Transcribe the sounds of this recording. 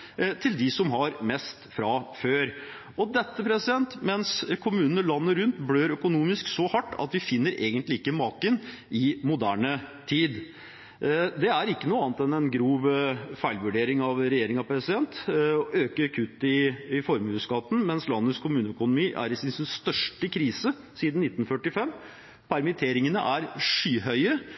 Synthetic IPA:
t̪ʰɪld̪ɪsɔmɦɑɾmɛst̪fɾɑføːɾ | ɔd̪ɛt̪ːəpʰɾɛsɪd̪ɛnt̪mɛnskʰʊmʉːnənəlɑnːəɾʉnt̪bɽøːɾœkʊnuːmɪsksɔhɑʈːɑ̰t̪ʋɪfɪnːəɾeːɡənt̪lɪɪkːəmɑːkən | ɪmʊd̪æːɳət̪ʰiːd̪ | d̪ɛæɾɪkːənuːɑːnət̪ɛnɛnɡɾuːʋfæɪlʋʉɖeːɾɪŋɑʋɾɛjeːɾɪŋɑpɾɛsɪd̪ɛnt̪ɔʔøːkəɾkʰʉt̪ːɪɪfɔɾmʉːskɑt̪ːn̩mɛnslɑnːət̪skʰʊmʉːnəœkʊnʊmiːʔæ̰ɾɪsɪnsɪnst̪œʂʈəkʰɾiːsə | siːd̪n̩nɪt̪ːn̩fœʈːɪfɛmː | pʰæɾmɪt̪ʰeːɾɪŋənə̰ʔæɾʂyːɦœʏəɾə

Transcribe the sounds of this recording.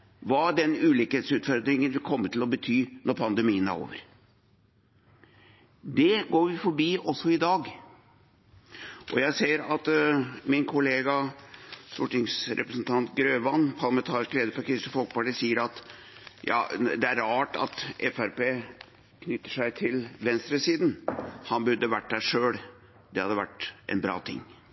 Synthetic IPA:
ʋɑɖɛnʉːliːkəheːt̪sʉːt̪fɔɾd̪ɾɪŋənʋɪlkʰɔmːət̪ʰɪlɔbət̪ʰyːnɔɾpʰɑnd̪ɛmiːənæ̰ɾo̰ːʋəɾ | d̪ɛɡoːɾʋɪfɔɾbiːɔsːɔɪd̪ɑːɡ | ʔɔjæɪseːəɾɑt̪mɪnkʰʊleːɡɑ | st̪ṵːʈɪŋsɾɛ̰pɾəsnt̪ʰɑnt̪ɡɾøːʋɑnːpʰɑɾlɑmɛnt̪ʰɑːɾɪskleːd̪əfɔɾkʰɾɪst̪əfɔlkəpɑʈiːsiːəɾɑt̪ | jɑ̰ːd̪ɛæɾɑːʈɑ̰t̪ʔɛfæɾpeː | kʰnʏt̪ːəʂæɪt̪ʰɪlʋɛnst̪ɾəsiːd̪nhɑnbʉɾd̪ːəʋæʈːd̪æʂøːɽ | d̪̥ɛhɑ̰d̪ːəʋæ̰ʈːʔɛ̰nbɾɑ̰ːt̪ʰɪ̰ŋː

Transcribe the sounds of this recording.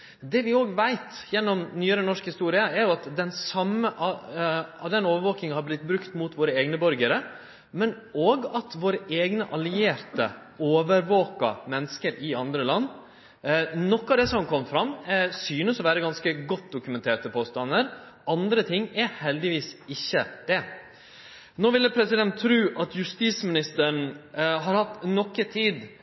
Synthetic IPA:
d̪ɛʋɪoːɡʋæɪt̪jɛnːɔmnyːəɾənɔʂkhɪst̪uːɾɪəæɾjʊɑt̪d̪ɛnsɑmːəʔ | ɑd̪ɛnoːʋəɾʋoːk̪ɪŋhɑɾblɪt̪̚bɾʉkt̪mʊt̪ʋoːɾəeːɡnəbœɾɡəɾə | mɛn | oːɡɑt̪ʋoːɾəʔeːɡnəʔɑlɪeːɾt̪ə̰ | oːʋəɾʋoːkɑmɛnːəskəɾʔɪɑnd̪ɾəlɑnː | nɔkːɑːd̪ɛsɔmkʰɔmfɾɑmsyːnəsɔʋæːɾəɡɑnskəɡɔt̪̚d̪ʊkʉmɛnt̪ʰeːʈəpʰoːst̪ɑnːəɾ | ɑnd̪ɾət̪ʰɪŋːɛhɛld̪ɪʋiːsɪçːəd̪̥ɛ | noːʋɪlːəpʰɾɛsɪd̪ɛnt̪ʰːɾʉːʔɑt̪ʰjʉst̪iːsmɪnɪst̪əɾɳ̩ɦɑɾhɑt̪nɔkːət̪ʰiːd̪

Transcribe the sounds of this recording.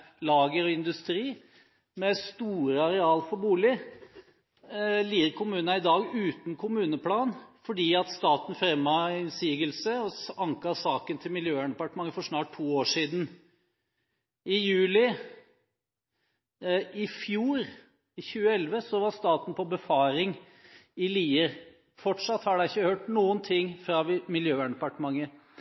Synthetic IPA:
lɑːɡəɾɔɪnd̪ʉst̪ɾiː | mɛst̪uːɾəɑɾɛɑːlfɔɾbuːlɪ | liːɾkʰʊmʉːnənɑɪd̪ɑːɡʉːt̪n̩kʰʊmʉːnəpʰlɑːnfɔɖiːɑt̪st̪ɑːt̪n̩fɾɛmːɑɪnsiːɡəlsəɔɑŋkɑsɑːkənt̪ʰɪlmɪljøːæɳɛpɑʈəmɑŋəfɔʂnɑːʈ̚tʰːuːoːʂiːd̪n̩ | ɪjʉːlɪ | ɪfjuːɾ | ɪçʉːəɛlʋəsɔʋɑɾst̪ɑːt̪n̩pʰɔbəfɑːɾɪŋ | ɪliːəɾ | fɔʈʂɑt̪hɑɖæɪçːəhøːʈnuːənt̪ʰɪŋːfɾɑʋmɪljøːʋæɳəɖ̪ɛpɑʈəmɑŋːə

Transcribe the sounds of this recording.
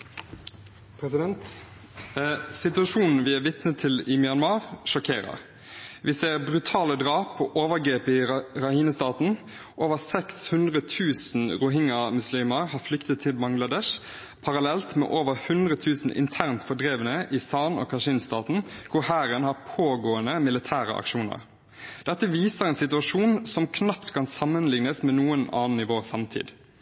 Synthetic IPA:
pʰɾɛsɪd̪ɛnt̪ | sɪt̪ʉɑʃuːnn̩ʋɪæʋɪt̪nət̪ʰɪlɪmɪɑnmɑːʁʃɔkʰeːɾə̰ʁ | ʋɪseːʁbʁʉt̪ʰɑːləd̪ʁɑːpɔʔoːʋəʁɡɾeːpɪʁɑhiːnəst̪ɑːt̪n̩ | ʔoːʋəʁsɛkshʉnd̪ʁət̪ʰʉːsn̩ʁʊɦɪŋɑmʉsliːməʁhɑːflʏkt̪ət̪ʰːɪlbɑŋɡlɑd̪ɛʃ | pʰɑɾɑlɛlt̪mɛ̰ːʔoːʋəɾhʉnd̪ʁət̪ʰʉːsn̩ʔɪ̰nt̪ʰæʁnt̪fɔɖʁeːʋənəʔɪsɑːnɔ̰ːkʰɑʂinst̪ɑːt̪n̩kʰʊɾhæːɾənhɑːʁpʰoːɡoːənəmɪlɪt̪ʰæːʁə̰ʔɑ̰kʃuːnə̰ʁ | d̪̥ɛt̪ːəʋiːsəʁɛːnsɪt̪ʉɑʂuːnsɔmkʰnɑpt̪kʰɑnsɑmːənlɪŋnəsmɛːnuːənɑ̰ːnɪʋoːʁsɑmt̪ʰḭːd̪

